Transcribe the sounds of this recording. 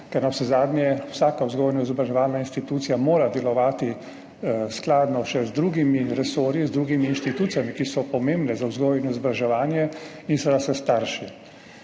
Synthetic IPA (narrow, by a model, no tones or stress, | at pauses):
kɛɾnawsɛzaːd̪njɛwsaːkawzɡoːjnɔizɔbɾaʒɛʋaːlnainst̪it̪uːt̪sijamoːɾad̪ɛlɔʋaːt̪i | sklaːd̪nɔʃɛzd̪ɾuːɡimiɾɛsoːɾizd̪ɾuːɡimiːnʃt̪it̪uːt̪sijamikisɔpɔmẽmbnɛzawzɡoːjɛnɔizɔbɾaʒɛʋaːnjɛ | insɛd̪asɛst̪aɾʃi